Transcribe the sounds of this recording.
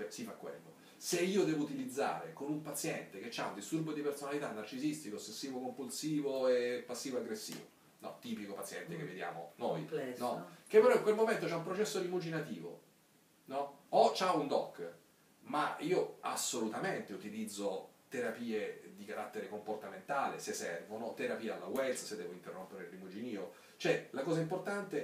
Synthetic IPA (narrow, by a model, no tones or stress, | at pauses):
esifakːwḛlːo | seiːod̪ɛːvout̪ilid̪zːa̰ːɾḛkonumpat̪sjɛnt̪ek̟et͡ʃːaund̪ist̪urbod̪ipersonalit̪anːart͡ʃizist̪ikoːsːesːiːvokompulsiːvoepːasːiːvoaɡɾesːḭːvo̰ | nɔ̰t̪iːpikopat̪sːjɛ̰nt̪ekevːed̪ja̰ːmo̰nojnɔk̟epːeɾɔiŋkwelmoment̪ot͡ʃaumpɾot͡ʃɛsːod̪imud͡ʒinat̪ḭːvo̰ | nɔɔt͡ʃaund̪ɔkː | maiːoa̰sːolut̪ament̪eut̪ilid̪zːot̪eɾapiːed̪ikaɾat̪ːeɾekomport̪ament̪aːlḛsesːɛ̰rvonot̪eɾapiːaalːawɛlssed̪ːɛːvoint̪erːompeɾelːimud͡ʒiniːo | t͡ʃoɛlakɔːzaimport̪ant̪e